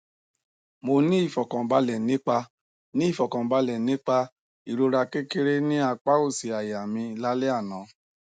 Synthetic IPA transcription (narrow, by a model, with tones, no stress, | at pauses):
mo˧nĩ˦i˦˨fɔ˨kã˨ba˧˦lɛ˨nĩ˨˦k͡pa˧ | nĩ˦i˦˨fɔ˨kã˨ba˧˦lɛ˨nĩ˦k͡pa˧ | i˨ɾo˧ɾa˧ke˦ke˦ɾe˦nĩ˦a˧k͡pa˦o˦˨si˨a˨ja˨mĩ˧la˦le˦a˦˨nã˨˦